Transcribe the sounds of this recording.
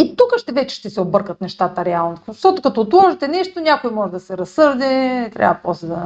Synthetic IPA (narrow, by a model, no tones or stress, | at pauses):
it̪ukəʃt̪ɛvɛt͡ʃɛ̥ʃt̪ɛsɛobɤɾkət̪nɛʃt̪at̪əɾɛalˠnoʃt̪ɔt̪okɐt̪oːt̪lˠɔʒɛt̪ɛnɛʃt̪onʲakojmɔʒɛd̪ɐsɛɾɐsːɤɾd̪ɛt̪ɾʲa̰vəpɾɔst̪od̪ɐ